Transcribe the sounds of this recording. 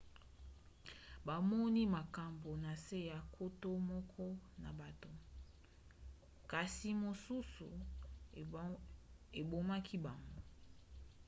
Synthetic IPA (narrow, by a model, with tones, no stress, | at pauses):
ba˨mɔ˦ni˦ma˨ka˨mbo˨na˨se˦ja˨kʰo˦to˦mɔ˦kʰɔ˦na̰˨ba˨to˨ | ka˨si˨mo˨su˦sṵ˨ | e˨bo˨ma˦kʰi˦ba˨ŋɡoo˦